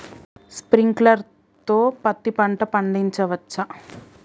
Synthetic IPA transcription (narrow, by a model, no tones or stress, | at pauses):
spɾiŋklɐɾ | t̪oːpɐt̪ːipɐɳʈɐpɐɳɖiɲt͡ʃɐʋɐt͡ʃːɐ